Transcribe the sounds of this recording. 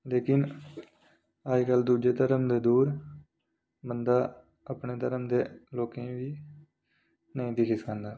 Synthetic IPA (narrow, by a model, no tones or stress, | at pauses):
leːkɪn | əd͡ʒkəld̪uːd͡ʒeːt̪əɾəmd̪eːd̪uːɾ | bənd̪aː | əpɳeːt̪əɾəmd̪eːloːkẽːʋiː | nəĩːt̪iːkʰɪskãːnd̪aː